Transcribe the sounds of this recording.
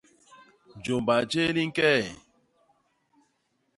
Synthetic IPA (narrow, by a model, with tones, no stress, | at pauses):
d͡ʒo˨mba˨t͡ʃe˦li˦ŋ̩˦kɛ˦˨